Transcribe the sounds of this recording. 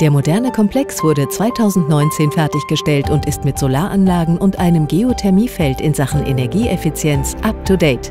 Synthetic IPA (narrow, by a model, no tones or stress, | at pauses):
d̥eːɐmodɛɐnəkʰɔmpʰl̥ɛksv̥ʊɐɾət͡sv̥aɪtʰaʊzn̩tnɔʏnt͡seːnfɛɐtɪçɡ̥əʃtɛltʊntɪstmɪtz̥olaːɐʔanlaːɡŋ̩ʊntʔaɪnəmɡeotʰɛɐmiːfɛltɪnzaχn̩ʔḛnɛɐɡiːʔɛfit͡sjɛnt͡sʔap̚tʰudeɪt